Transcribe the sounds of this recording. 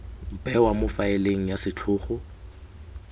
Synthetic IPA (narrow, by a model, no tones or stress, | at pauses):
bɛwamʊfaɪleŋ̩jasɪt͡ɬʰʊːχʊ